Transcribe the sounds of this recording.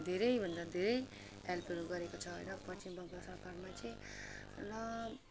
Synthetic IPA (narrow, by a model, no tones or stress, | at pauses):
d̪ʱeɾʌibʱʌ̃nd̪ad̪ʱeɾʌj | ɦelpʌɾuɡʌɾekot͡ʃʰʌɦʌ̰nʌpʌt͡ʃimbʌŋɡasaɾkaɾmãt͡ʃʰĩ | nʌ